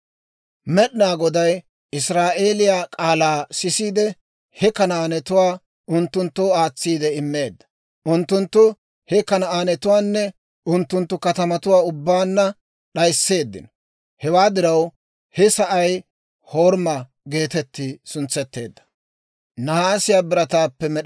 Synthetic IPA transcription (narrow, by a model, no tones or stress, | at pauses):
mɛɗɪnaːɡɔd̪ɐj | ɪsɾaːʔe̞ːlɪjaːkʼaːlaːsɪsiːd̪ɛ | hɛkɐnɐaːnɛt̪ʊwaː | ʔʊnt̪ːʊnt̪ːoːaːt͡sːiːd̪ɛɪmːe̞ːd̪ːɐ̥ | ʔʊnt̪ːʊnt̪ːʊ | hɛkɐnɐaːnɛt̪ʊwaːnːɛ | ʔʊnt̪ːʊnt̪ːʊkɐt̪ɐmɐt̪ʊwaːʊbːaːnːɐ | ɗɐjsːe̞ːd̪ːɪ̰n | hɛwaːd̪ɪɾɐw | hɛsɐʔɐj | ho̞ːɾmɐ | ɡe̞ːt̪ɛt̪ːɪsʊnt͡sːɛt̪ːe̞ːd̪ːɐ̥ | nɐhaːsɪjaːbɪɾɐt̪aːpːɛmɛɗ